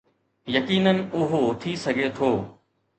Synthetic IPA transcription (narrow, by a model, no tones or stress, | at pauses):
jɐkiːnənɪ̆ʊɦot̪ʰisɐɡʱet̪ʰoː